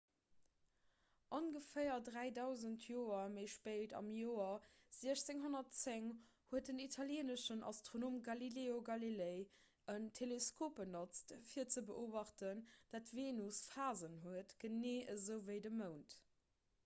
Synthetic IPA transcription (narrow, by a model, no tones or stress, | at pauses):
ʔonɡəfəɪɐdʁæɪdɑʊzəntʰjoːɐməɪʃpeltɑ̰mjoːɐz̥iəɕt͡seŋɦonɐtt͡seŋhuət̚dənitʰɑljɛːnəʃənʔɑ̰stʁonoːmɡɑlileːoɡɑlileɪ | əntʰeleskʰoːp̚bənot͡stfiːɐt͡səbəʔoːvɑχtənd̥atveːnusfaːzənɦuətɡ̥əneːʔəzəʊvəɪdəməʊnt